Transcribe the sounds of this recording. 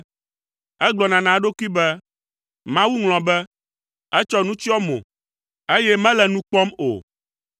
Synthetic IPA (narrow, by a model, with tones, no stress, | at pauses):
ɛ˦ɡ͡blɔ˨nã˨nã˨˦ɖo˦kʷi˦bɛ˦ | mã˦wu˦ŋl̃ɔ̃˨bɛ˦ | ɛ˦t͡ʃɔ˦nũ˦t͡ʃi˦ɔ˦mõ̰˨ | e˦jɛ˦mɛ̃˦lɛ˨nũ˦k͡pɔ˦mo̰˨